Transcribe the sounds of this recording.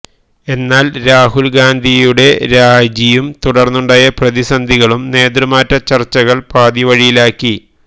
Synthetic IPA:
e̞nːaːlɾaːɦulɡaːnd̪ʱijuɽe̞ɾaːd͡ʑijumt̪uɽɐrnːuɳɖaːjɐprɐðisɐnd̪ʱiɣɐɭumne̞ːd̪rɨmaːtːɐt͡ɕɐrt͡ɕːɐɣɐɭpaːðiʋɐɻijilaːkːi

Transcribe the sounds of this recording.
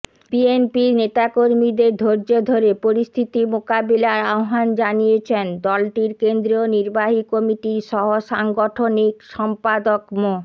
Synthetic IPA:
bienpinet̪akoɾmid̪eɾd̪ʱoɾd͡ʑod̪ʱoɾepoɾist̪ʰit̪imokabilaɾaoɦand͡ʑanijet͡ɕʰend̪ɔlʈiɾkend̪ɾioniɾbaɦikomiʈiɾʃɔɦoʃaŋɡoʈʰonikʃɔmpad̪okmo

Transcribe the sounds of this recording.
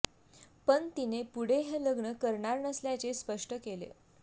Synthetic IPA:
pənt̪inepuɽ̤eɦeləɡɳəkəɾɳaɾnəsljat͡sespəʂʈəkelḛ

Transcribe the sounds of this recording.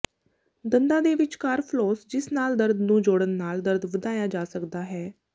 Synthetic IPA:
d̪ənd̪ãːd̪eːʋɪt͡ʃkaːɾpʰloːsd͡ʒɪsnaːld̪əɾd̪nũːd͡ʒoːɽənːaːld̪əɾd̪ʋəd̪aːjaːd͡ʒaːsəkd̪aːɦɛː

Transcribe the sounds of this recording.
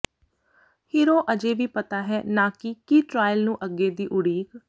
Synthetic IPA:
hiːɾoːʔəd͡ʒeːʋiːpət̪aːɦɛːnãːkikiːʈɾaːjlnũːʔəɡːeːd̪iːʔʊɽiːk

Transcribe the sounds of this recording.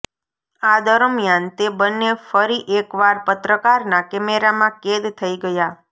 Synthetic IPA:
ad̪əɾəmjant̪ebənːefəɾiʔekʋaɾpət̪ɾəkaɾnakɛmeɾamãked̪t̪ʰəiɡəja

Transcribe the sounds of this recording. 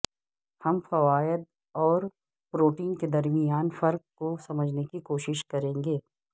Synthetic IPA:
hɐmfɐʋaːjəd̪ | ɔːɾ | pɾoːʈiːnked̪ɐɾmijaːnfɐɾk̚kosɐməd͡ʒʱnekikoːʃɪʃkɐɾẽːŋɡeː

